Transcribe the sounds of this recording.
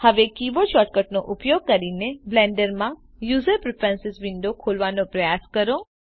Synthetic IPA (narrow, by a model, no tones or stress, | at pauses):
həʋekiʋoʃɔʈkəʈ̚noʔʊpjoɡ̚kəɾineblɛ̃ɳɖəɾmã | juzəɾpɾɪpɾɛ̃nsɪsʋɪɳɖokʰolʋanõpɾəjaskəɾo